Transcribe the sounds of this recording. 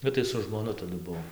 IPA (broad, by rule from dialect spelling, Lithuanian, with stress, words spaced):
ˈbʲɛt tɐɪ sʊ ʒmoːˈnʊ tɐˈdʊ ˈbʊʋoːm